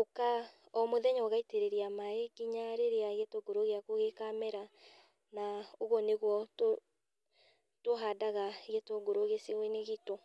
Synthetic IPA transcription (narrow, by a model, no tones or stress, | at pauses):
oka | ɔmoðɛɲɔɣaiteɾeɾeamaeɡiɲaɾeɾeaɣetoɡoɾoɣeakoɣekamɛɾa | naoɣɔneɣwɔto | toɦadaɣaɣetoɡoɾoɣesewineɣitɔ